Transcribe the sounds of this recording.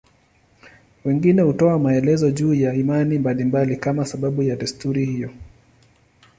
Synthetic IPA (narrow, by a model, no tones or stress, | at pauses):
wɛŋɡinɛhutɔamaɛlɛzɔʄuːjaimanimbalimbalikamasaɓaɓujaɗɛstuɾihijɔ